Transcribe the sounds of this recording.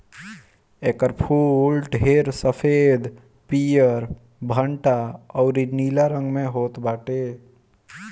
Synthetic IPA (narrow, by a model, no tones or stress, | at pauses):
eːkəɾpʰuːlʈɦeːɾsəpʰed̪ | pijəɾ | bʱəɳʈaɔːɾinilaɾə̃ŋɡmẽɦoːt̪baːʈe